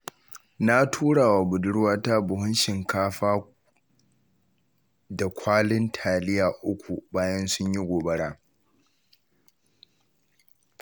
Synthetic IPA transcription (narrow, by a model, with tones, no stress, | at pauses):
na˦tʰuː˦ɽaː˨wa˨bʊ˨dʊ˦ɽwaː˦ta˦bʊ˨ɦʊ˦nʃɪ˨ŋkaː˦ɸaː˦ | da˨kʷʰaː˦lɪ˦ntʰaː˨lɪ˦jaː˨ʔʊ˦kʷu˨baː˦jɐ˦nsʊ˦ɲji˦ɡʷoː˨bɐ˦ɽaː˦